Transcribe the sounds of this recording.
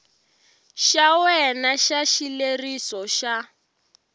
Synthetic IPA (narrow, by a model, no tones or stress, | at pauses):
ʃawɛnaʃaʃilerisɔʃa